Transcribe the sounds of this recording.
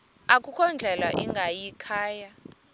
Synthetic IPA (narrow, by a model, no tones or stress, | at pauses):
akʼukʰɔnd͡ɮʱɛlwaʔiŋɡʱajikʰaːja